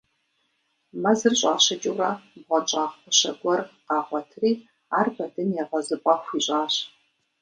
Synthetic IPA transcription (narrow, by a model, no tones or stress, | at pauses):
mɐzɨrɕʼaːɕɐt͡ʃʼuːrɐbʁʷɔt͡ʃʼaːχəɕɐ̰ɡʷɔrqɑːʁʷɔtʰriː | aːrbɐdɨnjɛʁɐzɨpʼɐxʷiːɕʼaːɕ